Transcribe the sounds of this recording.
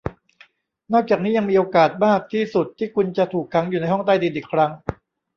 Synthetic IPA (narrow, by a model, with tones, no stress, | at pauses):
nɔː˥˩k̚t͡ɕaː˨˩k̚niː˦˥ja˧ŋmiː˧ʔoː˧kaː˨˩t̪̚maː˥˩k̚t̪ʰiː˥˩su˨˩t̪ʰːiː˥˩kʰu˧nt͡ɕa˨˩t̪ʰuː˨˩kʰːa˦˥ŋjuː˨˩na˧jɦɔ˥˩ŋt̪a˥˩jdiː˧nʔiː˨˩kʰɾa˦˥ŋ